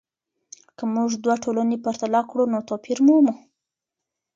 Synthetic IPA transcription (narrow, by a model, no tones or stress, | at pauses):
kəmuʐd̪waʈʰolanepaɾt̪alɑkɽunot̪ɑpʰiɾmumu